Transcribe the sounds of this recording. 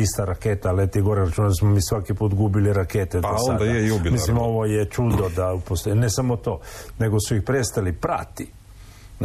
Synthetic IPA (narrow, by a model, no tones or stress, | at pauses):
ist̪aɾakeːt̪alet̪iɡo̞ɾeɾat͡ʃuːnaasmomiːsʋakipuːt̪ɡubiliɾakeːt̪edosoand̪aeiubimislimo̞ʋo̞jet͡ʃud̪od̪aupost̪onesamot̪o̞ːne̞ɡo̞suixpɾest̪alipɾa̰t̪i